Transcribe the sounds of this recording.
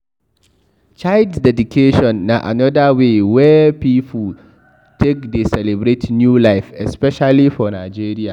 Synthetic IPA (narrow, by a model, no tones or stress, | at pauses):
t͡ʃaldsdɛdukʰeʃɔ̃nːaʔa̰nɔdawewɛpiːpʰul | tʰekdesɛlɛbɾetnjuːlaɪfɛspɛʃalifɔnaɪd͡ʒeːɾia